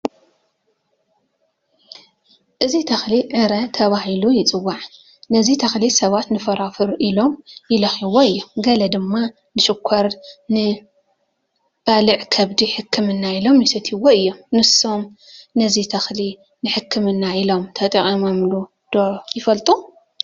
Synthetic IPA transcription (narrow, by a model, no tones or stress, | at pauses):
ʔɨzit̪ʰɐxliʕɨɾɐt̪ʰɐβahilujɪt͡sʼɨwːaʕ | nɐzit̪ʰɐxlisɐβat̪nɨfɐɾafɨɾʔilo̞mjɪlɐxiwoɨjːomɡɐlɐd̪ɨmːa | nɨʃɨkʷʰɐɾnɨ | b̥alɨʕkʰɐβd̪iħɨkʰːɨmɨnːailo̞mjɪsɐt̪ʰiwoɨjːo̞mnɨso̞m | nɐzit̪ʰɐxli | nɨħɨkʰːɨmɨnːailo̞mt̪ʰɐt̪ʼɐχʼimɐmlu | d̪̥ojɪfɐlt̪ʼu